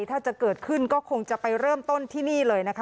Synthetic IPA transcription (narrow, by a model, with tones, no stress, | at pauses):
jt̪ʰaː˥˩t͡ɕa˨˩kɤː˨˩t̪̚kʰɯ˥˩nkɔː˥˩kʰo˧ŋt͡ɕa˨˩pa˧jɾɤː˥˩mt̪o˥˩nt̪ʰiː˥˩niː˥˩lɤː˧jna˦˥kʰ